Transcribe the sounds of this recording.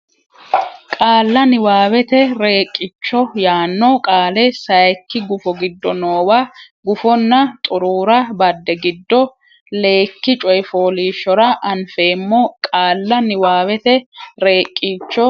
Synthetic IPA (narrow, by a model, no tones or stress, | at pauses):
kʼaːlːɐnɪwaːwɛt̪ɛɾe̞ːkʼːɪt͡ʃːɔjaːnːɔkʼaːlɛsɐjkːɪɡʊfɔɡɪd̪ːɔnoːwa | ɡʊfɔnːɐt̪ʼʊɾuːɾɐbɐd̪ːɛɡɪd̪ːɔ | le̞ːkːɪt͡ʃʼɔjɪfoːliːʃːɔɾɐʔɐnfe̞ːmːokʼaːlːɐnɪwaːwɛt̪ɛɾe̞ːkʼːit͡ʃːɔ